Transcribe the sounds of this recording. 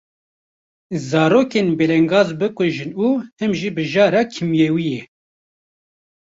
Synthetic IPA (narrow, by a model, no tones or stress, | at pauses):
zɑːɾoːkeːnbeːlɛŋɡɑːzbɨkʷɨʒɨnuːhɨmʒibɨʒɑːɾɑːkʰɨmjeːwijɛ